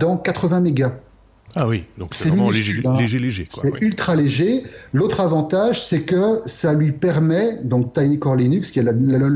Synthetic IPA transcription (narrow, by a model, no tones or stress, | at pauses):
d̪ɑ̃kat̪χəvɛ̃meɡa | awid̪̃sɛmĩʒʒsɛylt̪χaleʒelot̪χavɑ̃t̪aʒsɛkəsalɥipɛʁmɛd̪ɔ̃k̚t̪ajnekɔʁlinykskʲiɛl